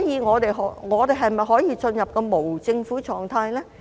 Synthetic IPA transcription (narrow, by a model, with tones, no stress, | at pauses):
jiː˨˧ŋɔː˨˧t̪e˨jɦɔ˨˥ŋɔː˨˧t̪e˨jɦɐ˨˩jmɐ˨jɦɔː˨˥jiː˧t͡sɵ˧njɐ˨p̚kɛ˧mo˨˩wt͡sɪ˧ŋfuː˨˥t͡sʰɔː˨˩ŋt̪ʰaː˧jlɛː˥